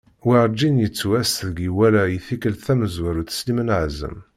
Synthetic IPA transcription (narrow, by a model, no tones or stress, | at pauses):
wiɾˤd͡ʒinjət͡sːwæsðəɡiwælæjiθikəlθæməzwæɾuθslimənʕzə̰m